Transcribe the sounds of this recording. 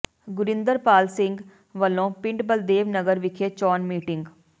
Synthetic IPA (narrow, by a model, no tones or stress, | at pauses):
ɡʊɾɪnd̪əɾpaːlsɪ̃ŋɡ | ʋəlːõːpɪ̃ɳɖbəld̪eːʋnəɡəɾʋɪkʰeːt͡ʃɔːnmiːʈɪŋɡ